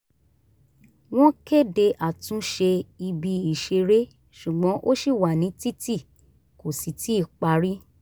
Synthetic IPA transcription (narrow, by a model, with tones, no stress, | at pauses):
w̃ɔ̃˦ke˦˨de˧ʔa˨tũ˨˦ʃe˧i˧bi˧i˨ʃe˧ɾe˦ | ʃu˨ɡ͡bɔ̃˨˦ʔo˦ʃi˦˨wa˨nĩ˨˦ti˦ti˦˨ | ko˨si˨ti˦i˦˨k͡pa˧˦ɾi˦